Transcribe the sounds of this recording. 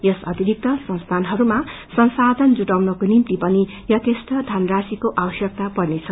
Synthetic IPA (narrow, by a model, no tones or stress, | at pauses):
jʌsʌt̪iɾik̚t̪ʌsʌ̃st̪ʰanɦʌɾuma | sʌnsad̪ʱʌnd͡zuʈawnʌkonimt̪ipʌni | jʌt̪esʈ̪ʌd̪ʱanrasikoʔawʌsjʌk̚t̪apʌrnet͡sʰʌ